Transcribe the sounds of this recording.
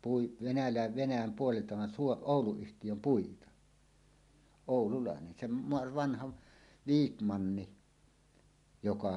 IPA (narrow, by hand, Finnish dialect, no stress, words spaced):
pui ʋenælæˑe ʋenæjæm puoleltɑ ʋɑn suo oˑuluyhtijøm puitɑ oˑululɑˑenen sem m ʋɑnhɑʋ ʋiːkmɑnːi jokɑ